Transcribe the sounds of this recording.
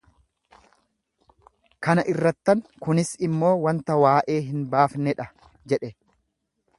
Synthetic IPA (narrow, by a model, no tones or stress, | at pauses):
kɐnɐʔɪrːɐt̪ːɐŋkʊnɪsɪmːo̞ːwɐnt̪ɐwaːʔe̞ːɦɪnbaːfnɛᶑɐ | d͡ʒɛᶑɛ